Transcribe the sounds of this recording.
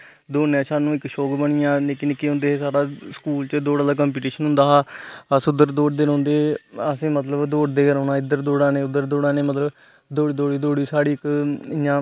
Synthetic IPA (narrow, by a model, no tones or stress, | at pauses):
d̪oːnẽːsaːnũːɪkʃoːkbəɳɪjãːleːkɪnɪkːiɦõnd̪eːɦːsaːɽaːskuːlt͡ʃəd̪oːɽaːlaːk̬əːmpiːʈiːʃənɦʊ̃nd̪aːɦaːəsʊd̪əɾd̪oːɖd̪eːɾõːnd̪eːəsĩːmət̪ləbd̪oːɖd̪eːɾõːnãːɪd̪əɾd̪oːɽãːneːʊd̪əɾd̪oːɽãːneːmət̪ləb | d̪oːɽiːd̪oːɽiːd̪oːɽiːsaːɽiːɪkɪjãː